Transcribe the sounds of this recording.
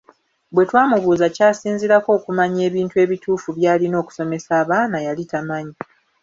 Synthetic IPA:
bwe̞twaːmuβuːzacaːsiːnziɾako̞ːkumaɲe̞ːβiːntue̞ːβituːfuβjaːlino̞ːku̥so̞me̞saːβaːnajalitamaɲi

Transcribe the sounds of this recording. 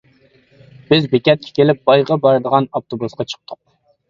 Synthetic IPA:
b̥ɪzbekʲɛt̪̚kʲʰɛ̥kʲʰelɪp̚b̥ɑjʁɑbɑɾd̪əʁɑnɑft̪ʰobusqɑt͡ʃʰə̥q̚t̪ʰʊq̚

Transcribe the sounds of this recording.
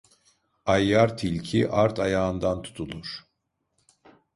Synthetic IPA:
ajːaɾt̪ʰilʲcʰiʔaɾt̪ʰajaːɯnd̪ant̪ʰu̥t̪ʰulˠuɾ̥

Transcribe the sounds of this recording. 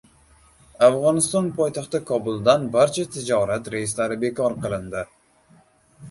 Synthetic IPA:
afʁɒnɪst̪ɒnpʰɒjt̪ʰaχt̪ɪkʰɒbʊlˠd̪anbaɾt͡ʃʰat̪ʰɪd͡ʒɒɾat̪ɾejɪst̪laɾɪbe̞kʰɒɾqʰɨlˠɪnd̪ɪ

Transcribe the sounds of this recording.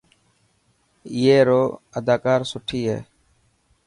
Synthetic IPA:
ɪjeːɾoːəd̪aːkaːɾsʊʈʰiːɦḛː

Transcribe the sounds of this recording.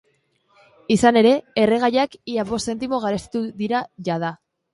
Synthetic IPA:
isane̞ɾe̞ere̞ɣajakiaβo̞sse̞nt̪imo̞ɣ̞aɾest̪i̥t̪uðiɾaʝað̞a

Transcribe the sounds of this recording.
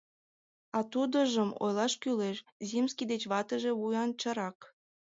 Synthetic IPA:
ɑt̪ud̪ə̆ʒəmo̰jlˠɑʃkyleʃzimskʲid̪et͡ɕβɑt̪ə̆ʒeβujɑnt͡ɕə̆ɾɑk

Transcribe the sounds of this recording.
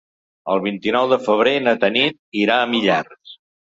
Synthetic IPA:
əlˠβ̞int̪inɔwðəfəβ̞ɾenət̪ənit̪̚iɾaəmiʎars

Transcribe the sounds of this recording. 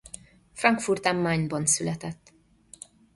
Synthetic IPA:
frɒŋkfurt̪ɛmːaːɲbɒnsylɛt̪ɛt̪ː

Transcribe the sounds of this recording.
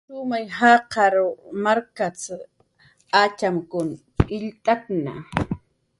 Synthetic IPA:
sʊmajhaːqɑɾʊmaɾkat͡s | at͡ʃamkʊn | ɪʎt̪akna̰

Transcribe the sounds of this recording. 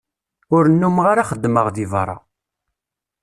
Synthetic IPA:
ʊɾənːumʁaɾaχəd̪ːməʁðivɾˤɑ̰

